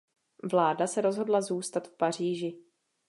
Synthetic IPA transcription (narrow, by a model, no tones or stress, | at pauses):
vlaːdasɛɾo̞zɦo̞dlazuːst̪at̪fpar̝iːʒɪ